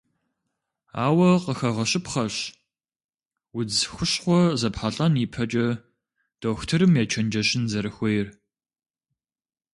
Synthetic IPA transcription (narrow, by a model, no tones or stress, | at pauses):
a̰ːwɐqəxɐʁɐɕʼɪpχɐɕ | wʊd͡zxʷʊɕχʷɔzɐpħaɬʼɐniːpʰɐt͡ʃʼɐ | d̥oːxtʰɨɾɨmjɛːt͡ʃʰɐnd͡ʒɐɕɪnzɐɾɨxʷɔjɪr